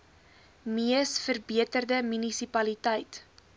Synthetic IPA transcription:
miəsfərbiətərdəmynisipɐlitəjt

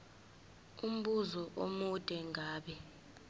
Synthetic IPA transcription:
um̩ɓuzɔʔo̰mud̥ʱʼɛŋʱaːɓɛ

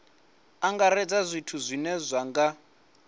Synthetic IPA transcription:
aŋɡaɾɛd͡zazʷitʰuzʷinɛzʷaŋɡa

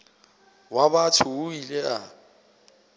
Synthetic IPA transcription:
wabatʰʊːilea

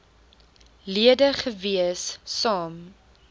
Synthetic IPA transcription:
liədəχəviəsːɑːm

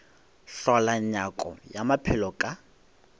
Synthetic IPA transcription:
ɬɔlaɲakʼɔ̰jamapʰɛlɔkʼa

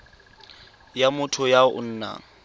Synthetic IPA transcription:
jamʊtʰʊjaʊ̰n̩ːna̰ːŋ̩

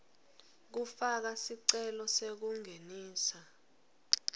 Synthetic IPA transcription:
k̬ufak̬asiǀɛlɔsek̬uŋeniːsa

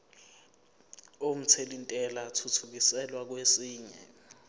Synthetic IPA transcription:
om̩t͡sʰelintʼɛlatʰutʰuk̬isɛlwak̬wesiːɲɛ̰

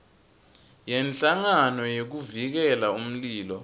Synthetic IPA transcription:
jɛnt͡ɬaŋanɔjok̬uvik̬ɛlaum̩liːlɔ̰

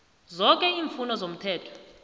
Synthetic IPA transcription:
zɔk̬ʼɛiːɱfunɔzom̩tʰɛːtʰɔ̥

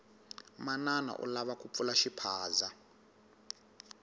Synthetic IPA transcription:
manana̰ʔṵlaβakup̪fulaʃipʰaːza

